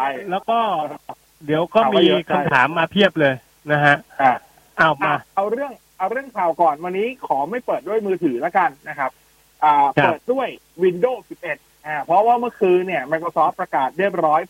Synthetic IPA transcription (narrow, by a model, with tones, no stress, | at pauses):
a˥˩lɛː˦˥wkɔː˥˩ | di˩˦əwkɔː˥˩˧miaː˧k̪ʰa˧˥˩t̪ʰaː˩˦mːaː˧pʰi˥˩əp̚lɤː˧j | na˦˥kʰa˦˥ʔaː˨˩ | ʔaː˧˩aː˧ʔa˧wɾɯ˥˩əŋ | ʔa˧wɾɯ˥˩əŋkʰaː˨˩wkɔː˨˩nwa˧nːiː˦˥kʰɔː˩˦ma˥˩jpɤː˨˩t̪̚du˥˩jmɯː˧t̪ʰɯː˩˦la˦˥ka˧nːa˦˥kʰa˦˥p̚ | ʔaː˨˩ɤː˧˨˩t̪̚du˥˩əj | wi˧ndoː˥˩si˨˩p̚ʔe˨˩t̪̚ʔaː˧˩pʰɾɔ˦˥waː˥˩mɯ˥˩əkʰɯː˧ni˥˩əma˧jkʰɾoː˧sɔː˦˥pːɾa˧kaː˨˩t̪̚ɾi˥˩ə˩p̚ɾɔː˦˥j